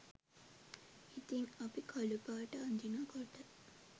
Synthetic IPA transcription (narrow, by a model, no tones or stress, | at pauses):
it̪iŋapikʰalupaːʈəand͡ʒ̪inakoʈə